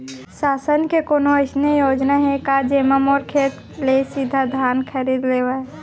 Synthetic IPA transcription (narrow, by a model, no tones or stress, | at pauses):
saːsənkekoːnoəɪsnejoːd͡ʒnaɦɛkad͡ʒeːməmɔːɾkʰeːt̪ | lesid̪ʱad̪ʱaːnkʰəɾiːd̪leːwa